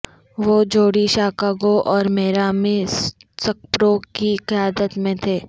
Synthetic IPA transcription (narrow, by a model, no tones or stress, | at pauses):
ʋoːd͡ʒoːɽiʃaːkaːɡoʔɔːɾmeːɾaːmessɐk̚pɾoːkiqɪjaːd̪ət̪mẽt̪ʰeː